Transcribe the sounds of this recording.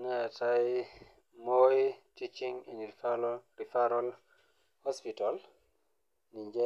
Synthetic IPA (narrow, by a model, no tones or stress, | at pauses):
ŋataj | mojitit͡ʃiŋin | ɾifaɾɔl | hɔspital | niɲd͡ʒɛ